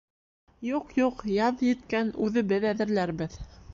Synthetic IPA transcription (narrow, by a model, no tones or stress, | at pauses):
juqjuqjɑðjɘ̆t̪̚kænʉðɘbɘðæðɘ̆ɾlæɾβɘð